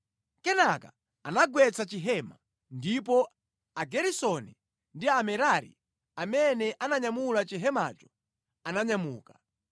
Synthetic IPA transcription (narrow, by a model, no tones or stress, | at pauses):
kɛnaka̰ | anaɡwɛt͡sat͡ʃiɦɛma̰ | ndip̬ɔ | aɡɛɾisɔnɛ | ndiamɛɾaɾḭ | amɛnɛʔanaɲamulat͡ʃiɦɛma̰t͡ʃɔ̥ | anaɲamṵːkḁ